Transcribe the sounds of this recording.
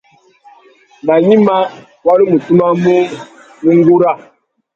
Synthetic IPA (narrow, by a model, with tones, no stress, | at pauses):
na˨ɲi˦ma˦ | wa˦li˦mu˨tu˦ma˦mu˦ | ni˦ŋ˦ɡu˦ɾa˦˨